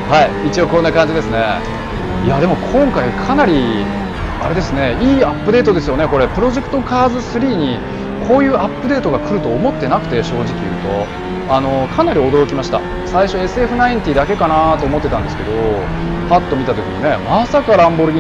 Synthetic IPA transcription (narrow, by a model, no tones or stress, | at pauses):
haiit͡ɕio̞konːakãɲ̟d͡ʑid̪e̞sɨne̞ | iad̪e̞mo̞kʰõ̞ŋkaikʰanaɾʲi | a̰ɾe̞d̪e̞sɨne̞iːapːɯ̟d̪e̞ːt̪o̞d̪e̞sɨjo̞ne̞ko̞ɾe̞pɯ̟ɾo̞ʑe̞kɯ̟̥t̪o̞kaːzɨsɨɾʲiːɲ̟i | kʰo̞ːjɯ̟ːapːɯ̟d̪e̞ːt̪o̞ɡakɯ̟ɾɯ̟t̪o̞ːmo̞t̪ːe̞nakɯ̟t̪e̞ɕo̞ːʑikʲḭjɯ̟̰ːt̪o̞̰ | ano̞kʰanaɾʲio̞d̪o̞ɾo̞kʲimaɕi̥t̪a̰ | saiɕo̞e̞sɨe̞ɸɯ̟naĩɲt̪ʲiːd̪ake̞kanat̪o̞ːmo̞t̪ːet̪ãnd̪e̞sɨ̥ke̞d̪o̞ | pat̪ːo̞mʲit̪at̪o̞kʲḭɲ̟ine̞masakaɾãmbo̞ɾɯ̟ɡʲi